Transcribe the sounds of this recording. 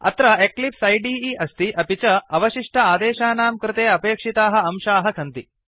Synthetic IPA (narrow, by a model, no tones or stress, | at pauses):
ɐ̰t̪ɾɐeklipsɐjɖiːiːʔɐst̪iʔɐpit͡ʃɐɐʋɐʃiʂʈʰɐaːd̪eːʃaːnaːmkɾɪt̪eːɐpeːkʂit̪aːɦɐ̆ɐmʃaːɦɐkʰɐnt̪i